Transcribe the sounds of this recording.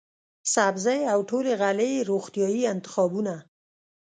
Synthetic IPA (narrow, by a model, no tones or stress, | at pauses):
sabzajawʈoleɣaleɾoxt̪jɑjiɪnt̪ɪ̥xɑbuna